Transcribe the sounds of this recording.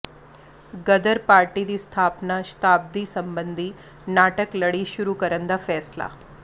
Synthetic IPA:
ɡəd̪əɾpaːɾʈiɾist̪ʰaːpnaʃt̪aːb̚d̪isəmbənd̪ʱi | naʈəkləɽiʃuɾukəɾənd̪afɛːsla̰

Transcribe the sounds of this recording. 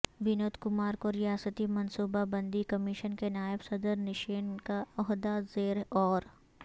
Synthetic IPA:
ʋɪnoːt̪kʊmaːɾkoɾijaːsət̪imɐnsuːbabɐ̃nd̪ikɐmɪʃənkenaːɪbsɐd̪əɾnɪʃeːnkaɔɦd̪azeːɾɔːɾ

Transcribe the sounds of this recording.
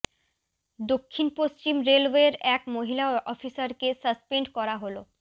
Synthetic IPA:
d̪okʰːinpost͡ɕimɾelweɾɛkmoɦilaɔfisaɾkesəspeɳɖkɔɾaɦolo

